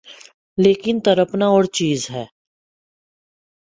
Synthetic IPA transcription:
leːkɪnt̪əɾəpnaɔːɾt͡ʃiːzɦɛː

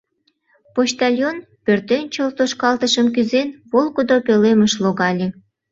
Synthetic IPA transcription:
poɕt̪ɑlʲjon | pørt̪ent͡ɕolt̪oʃkɑlt̪əʃəmkyzenβolˠkod̪opeleməʃloɣɑlʲe

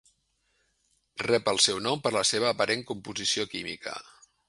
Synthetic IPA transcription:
rɛpəlˠsɛwnɔmpəɾləseβ̞əːpəɾʔeŋkumpuzisiokimḭkə̰

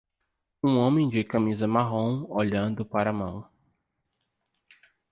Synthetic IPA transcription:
ũõmẽj̃d͡ʒɪkɐ̃mizɐmaɦõw̃oʎɐ̃nd̪ʊpaɾɐmɐ̃w̃

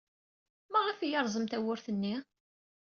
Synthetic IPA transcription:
mæʁəfijɑɾˤzˤəmt̪æwʊɾθənːi

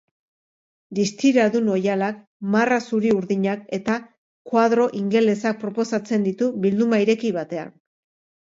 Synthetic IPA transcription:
d̪ist̪iɾaðuno̞jalak | marasuɾiuɾðiɲake̞t̪a | kwað̞ɾo̞ʔiŋɡe̞le̞sak̚pɾo̞po̞sat͡se̞nd̪it̪uβild̪umaiɾe̞kiβat̪e̞a̰n

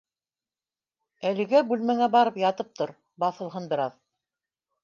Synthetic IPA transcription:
ælɘ̆ɡæbʉlmæŋæbɑɾɤpjɑt̪ɤp̚t̪oɾ | bɑθɤ̆lˠɦɤnbɘ̆ɾɑð

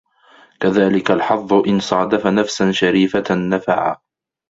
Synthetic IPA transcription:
kaðaːlɪkalħɑðˤːʊʔɪnsˤɑːd̪afanafsanʃaɾiːfaːafa̰ʕa̰

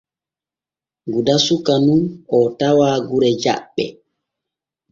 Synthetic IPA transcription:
ɡudasukanunɔtawaːɡuɾɛd͡ʒa̰ɓːɛ̰

